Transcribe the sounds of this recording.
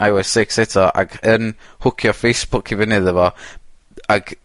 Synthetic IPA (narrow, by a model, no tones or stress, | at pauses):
ajwɛsɪksɛtʰɔʔa̰ɡənhʊkʰjɔfejsb̥ʊkʰivɪnɨðəvɔ | aɡ̥